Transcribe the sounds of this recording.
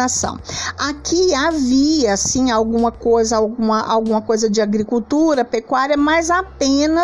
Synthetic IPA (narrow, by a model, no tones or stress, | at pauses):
asɐ̰̃w̃akiaviɐasĩawɡũmɐkojzɐawɡũmɐʔawɡũmɐkojzɐd͡ʒɪaɡɾikuwt̪uɾɐpekwaɾiɐmɐjzapẽnɐ